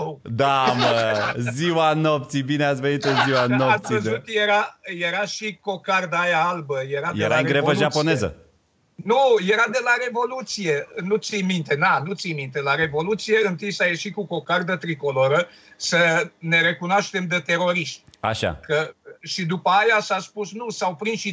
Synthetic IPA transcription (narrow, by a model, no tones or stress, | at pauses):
d̪aməziwanop̚t̪sibineat̪sʲvenit̪oziwanoassiəzut̪jeɾaje̞ɾaʃiko̞kard̪əajaalbəje̞ɾadj̪elɾaɨeɡɾevvəʒapo̞ne̞zə̰ | nuje̞ɾad̪e̞laɾe̞vo̞lut̪sije̞nut̪sijmint̪e̞nanut̪sijmint̪e̞laɾe̞vo̞lut̪sije̞ɨnt̪ijsaje̞ʃikuko̞kard̪ət̪ɾiko̞lo̞ɾə | səne̞ɾe̞kunoaʃt̪e̞md̪et̪e̞ɾo̞ɾiʃt̪ʲa̰ʃa̰kəʃid̪upəajasaspusnusawpɾinʃi